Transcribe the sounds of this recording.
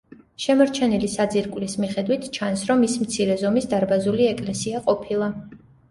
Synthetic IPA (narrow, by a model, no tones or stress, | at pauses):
ʃɛmɔɾt͡ʃʰɛnilisad̪ziɾkʼlismiχɛd̪wit̪ʰt͡ʃʰansɾɔmːismt̪sʰiɾɛzɔmisd̪aɾbazuliɛkʼlɛsiaqʼɔpʰilˠa